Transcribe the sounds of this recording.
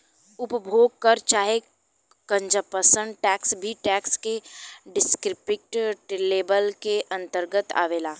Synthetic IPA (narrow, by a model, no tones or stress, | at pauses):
ʊpbʱoːɡ̚kəɾt͡ʃaːɦe | kə̃ɲd͡ʒəpəsə̃ɳɖʈɛːksbʱiʈɛːkskeɖɪskɾɪpɪk̚ʈʈleːbəlkeʔɐ̃nt̪əɾɡət̪a̰ːʋeːlaː